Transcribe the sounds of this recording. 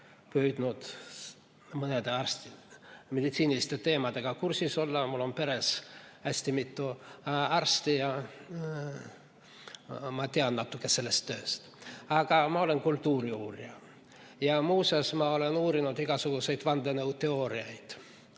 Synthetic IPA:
pyːd̪̥nud̪̥ | mɤned̪e̞ɑrst̪ime̞d̪̥it̪siːnilist̪e̞t̪e̞ːmɑd̪̥e̞ɡ̥ɑkursiso̞lːɑmulːo̞npe̞ɾesæsʲt̪imit̪ːuɑrst̪ijɑ | mɑt̪eɑnnɑt̪ːˑukːˑese̞lːest̪ːø̞ːst̪ɑɡ̥ɑmɑo̞le̞nkult̪ːuːɾiuːrjɑ | jɑmuːsesmɑo̞le̞nuːɾinud̪iɡ̥ɑsuɡ̥use̞jd̪vɑnd̪enɤwt̪e̞o̞ːɾiɑjd̪̥

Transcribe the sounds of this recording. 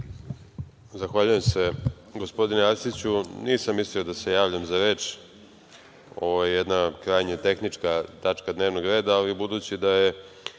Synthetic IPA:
zaxʋaːʎuje̞mse | ɡo̞spo̞d̪ineaɾsit͡ɕuniːsamːisliod̪ase̞jaːʋʎamzaɾe̞t͡ʃ | o̞vojjed̪nakɾajɲat̪e̞xnit͡ʂkat̪at͡ʂkad̪neːʋnoɡɾe̞ːd̪aːlibud̪uːt͡ɕid̪aje

